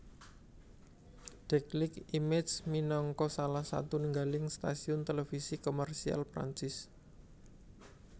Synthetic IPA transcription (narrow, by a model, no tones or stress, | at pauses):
d̪̥ɛklɪkimɛt͡ʃminɔŋkɔsalahsa̰t̪unəŋɡalɪŋst̪a̰siʊnt̪elefisikomɛrsia̰lpɾa̰ɲt͡ʃɪs